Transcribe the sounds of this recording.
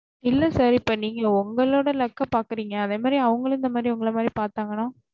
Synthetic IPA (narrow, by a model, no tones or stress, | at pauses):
ɪlːɐsaːɾɪpːoːniːŋɡɐʊŋɡɐɭoːɽɐlɐkːɐpaːɾkɯɾiːŋɡɐːðeːmaːd̪ɾiɐʋɐŋɡɐɭɪnd̪ɐmaːd̪ɾiʊŋɡɐɭɐmaːd̪ɾipaːɾt̪aːŋɡɐnaː